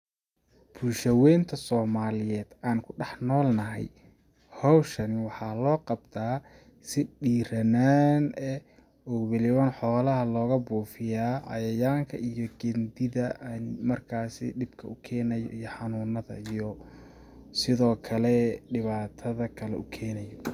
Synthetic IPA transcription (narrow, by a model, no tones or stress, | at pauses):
b̥uːlʃɐwɛːnt̪ʰɐsɔːmaːlɪjɛːd̪̥aːnkʰʊɖɑħnɔːlnɐɦɛ̰j | hɔwʃɐnɪwɑħɑːlɔːqɑbt̪ʰaː | sɪɖiːɾɐnaːnɛ | ɔːwɛlɪwɐnħɔːlɐɦɐlɔːɣɐbuːfɪjaːʔɑ̰jɐjaːŋkʰɐ̰ʔijɔɡɛnd̪ɪðɐnmɐrkʰaːsɪ̰ɖɪbkʰɐʊkʰɛːnɐjɔ̰ijɔħɑnuːnɐðɐ̰ijɔ | sɪðɔːkʰɐlɛɖɪβaːt̪ʰɐðɐkʰɐlɛ̰ʊkʰɛːnɛjɔ